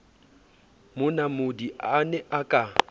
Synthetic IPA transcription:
mʊnamʊdiʔanɛʔakʼa

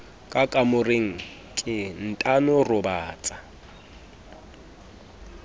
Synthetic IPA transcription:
kʼakʼamʊreŋ̩ | kʼɪn̩tʼanʊrʊbaːt͡sʼa

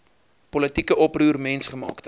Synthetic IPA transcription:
pɔlətikəʔɔpruːrmɛnsχəmɑ̰ːktə

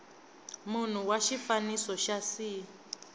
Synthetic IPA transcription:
mun̤uwaʃifanisɔʃasi

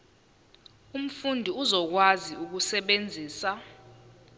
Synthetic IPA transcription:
um̩fundʱiuzɔk̬waziuk̬usɛɓend͡zʱiːsa

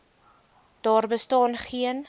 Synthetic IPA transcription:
d̥ɑːrbəstɑːnχiən

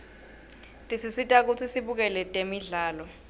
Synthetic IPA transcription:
tʼisisitʼak̬ut͡sʰisiɓuk̬ɛlɛtʼemiɮaːlɔ

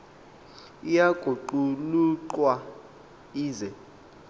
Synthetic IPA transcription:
ijaɡ̥ʱuǃuluǃwa | iːzɛ

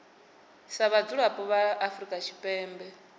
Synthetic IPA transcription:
saβad͡zuɺapʼɔβaʔafrikʼat͡ʃʰi̥pʼɛːmbɛ

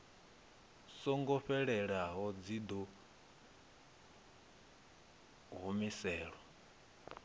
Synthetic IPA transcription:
sɔŋɡɔɸɛɺɛɺaɦɔd͡zid̪ɔ | ɦumisɛːɺwɔ

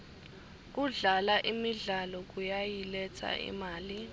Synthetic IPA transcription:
k̬uɮalaʔimiɮalɔk̬ujajilɛt͡sʰa̰ʔḭmaːli

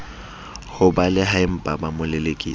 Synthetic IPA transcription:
hʊbalɪɦaɪm̩pʼabamʊlɪlekʼḭː

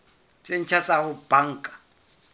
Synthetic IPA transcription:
t͡ʃʼen̩t͡ʃʰat͡sʼahʊb̥aŋ̩ːkʼḁ

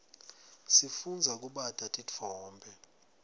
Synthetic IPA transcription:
sifund͡zʱak̬ʼuɓatʼatʼit͡fʰɔːmbʱɛ

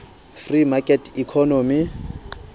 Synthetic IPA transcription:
frimakʼɛtʰikʰɔnoːmi

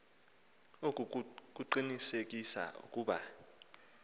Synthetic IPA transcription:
ok̬ʼk̬ʼuǃinisek̬ʼisa̰ṵkʼuːɓa̰

